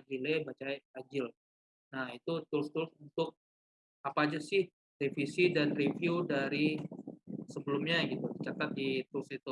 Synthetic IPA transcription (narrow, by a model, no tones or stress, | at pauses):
aɡilebat͡ʃaad͡ʒɪl | nahit̪ut̪ʊlst̪ʊlsunt̪ʊk̚ | apaːd͡ʒasɪh | defisidanrefjudaɾi | səbəlʊmɲaɡit̪udt͡ʃat̪at̪̚dit̪ʊlsit̪u